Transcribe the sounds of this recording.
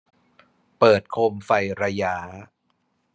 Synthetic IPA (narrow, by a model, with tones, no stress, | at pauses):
pɤː˨˩t̪̚kʰo˧mfa˧jɾa˧jaː˦˥